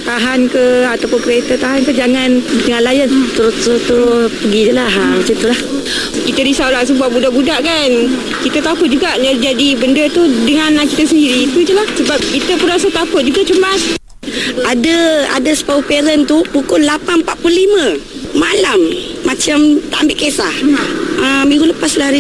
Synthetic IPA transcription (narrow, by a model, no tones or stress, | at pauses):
t̪aɦankəat̪awpʊnkəɾet̪ət̪aɦankəd͡ʒaŋand̪əŋãnlajənt̪əɾʊst̪əɾʊst̪uɾspəɡid͡ʒəlaɦamat͡ʃamt̪ulah | kit̪ədisawlas̬əmbuaʔbudaʔbudaʔkan | kit̪ət̪akʊt̪̚d͡ʒuɡaʔd͡ʒad͡ʒadibəndət̪udəŋãnakit̪asəndiɾiːt̪ud͡ʒ̪ulahsəbap̚kit̪əpuɾasat̪akʊt̪̚d͡ʒuɡat͡ʃəmbas | adəa̰dasə̥paupeɾənt̪upukʊlːapanmpaʔ̚plulimə̃ | malamːat͡ʃamt̪a̰ʔambɪʔkesahəmĩŋɡuləpasla